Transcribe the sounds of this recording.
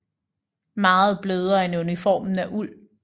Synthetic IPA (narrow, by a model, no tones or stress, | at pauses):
mɑ̈ːð̞̩ˠb̥løːð̞ˠɐenunifɒ̰ːmn̩æʔul̰